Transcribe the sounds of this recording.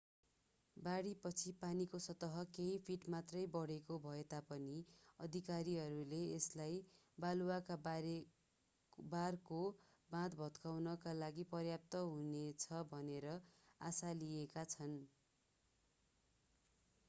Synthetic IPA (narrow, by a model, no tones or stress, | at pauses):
baɽipʌt͡sʰipanikosʌt̪ʌɦʌkeɦipʰiʈmat̪rʌjbʌɽekobʱʌet̪apʌniʌd̪ʱikaɾiɦʌɾuleeslaj | baluwakabɾ | barko | bãt̪bʱʌt̪kawnʌkalaɡipʌrjap̚t̪ʌɦunet͡sʰʌbʱʌneɾʌasaliekat͡sʰʌn